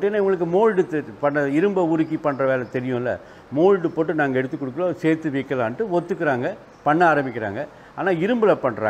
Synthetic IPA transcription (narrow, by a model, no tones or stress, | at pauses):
ɐʈːeːnːaʊŋɡɐɭɯk̬ːɯmoːɻɖɯt̪pɐɳːɐɪɾɯmbɐʊɾɯkːipɐɳːɾɐʋeːlɐt̪ɛɾɪjʊ̃ːɪlːɐ̰ | moːɻɖɯpoːʈːɯnaːŋɡɐɛɽɯt̪ːɯkːɔɽɯkːɐlõːseːɾt̪ːɯʋɐkːɐlaːnʈːɯʋɔt̪ːɯkːɯɾaːŋɡɐ | pɐɳːɐaːɾɐmbɪkːɪɾa̰ːŋɡɐ | aːnaːɪɾɯmbɯlɐpɐɳːɾa̰ː